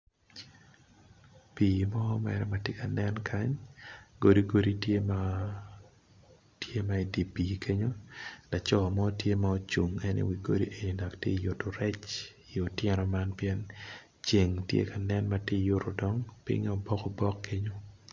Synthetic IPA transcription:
piː˨mɔ˦mɛ̰˨ɾɛ˦matje˦ka˨nɛ˦nkʰa˦ɲɡo˦di˦ɡo˦di˦tje˦ma | tje˦ma˨i˨di˨pi˨kʰe˦ɲo˦la˨t͡ʃɔ˦˨mɔ˦tje˦ma˨o˦t͡ʃu˨ŋɛ˦nḭwi˨ɡo˦dḭ˦ʔe˨ni˨da˨ktjḛ˦˨ju˨tːo˨ɾɛ˦t͡ʃ | i˨o˨tjɛ˦ɾɔ˨ma˦npjɛ˦n | t͡ʃe˨ŋtjḛ˦ka˨nɛ˦nma˨ti˦˨jʊ˦ɾo˨dɔ˦ŋpɪ̰˦ŋ˦ɔ˨bɔ˦kɔ˨bɔ˦kːe˦ɲo˦

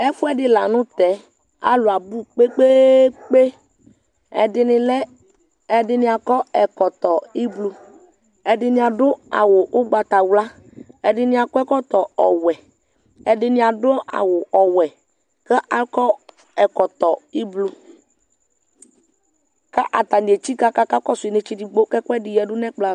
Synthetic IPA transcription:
ɛ˦fu˦ɛ˦ɖɪ˦la˨nũ˦t̪ɛ˨˦ | a̰˦lo˨a˨bu˦k͡pe˦k͡pe˦k͡pe˦ | ɛ̰˨dɪ˨nɪ̃˨lɛ˦ | ɛ˨ɖɪ˦nĩ˨a˨kɔ˦ɛ˨kɔ˨t̪ɔ˨i˦blu˦ | ɛ˨dɪ˦nĩ˦a˨ɖo˦a̰˨wo˨ʔo˦ɡ͡ba˨t̪a˨wla˦ | ɛ˨dɪ˦nɪ̃˦a˨kɔ˦ɛ˦kɔ˦t̪ɔ˨ɔ˨wɛ˨ | ɛ˨dɪ˦nɪ˦a˨dʊ˦a̰˨wʊ˨ʔɔ˨wɛ˨ | kɛ˦ʔa˨kɔ˦ | ɛ˨kɔ˨t̪ɔ˨i˦blu˦ | ka˦ʔa˨t̪a˨ni˨e˨t͡ʃi˦ka˦ka˦ka˦kɔ˦sʊ˨i˨ne˨t͡ʃi˦di˦ɡ͡bo˦kɛ˦kʷɛ˦dɪ˨jɛ˨dʊ˦nɛ̃˦k͡pla˦

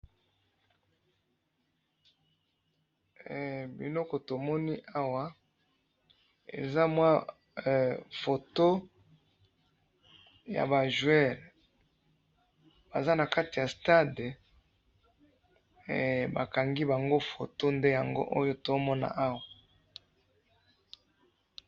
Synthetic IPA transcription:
bḭ˨nɔ˦kɔ˨to˨mɔ˦ni˦ʔa˦wa˨˦ | ḛ˨za˦mwa˦˨ | fo˨to˦ | ja̰˨ba˨ʒwɛ˦˨l | b̥a˨za˦na˨ka˦ti˨ja˨sta˦d | ba̰˨ka˨ŋɡi˦ba˨ŋɡo˦fo˨to˦nde˦ja˨ŋɡo˦ʔo˦jo˦to˨˦mɔ˦na̰˦ʔa˦wa˨

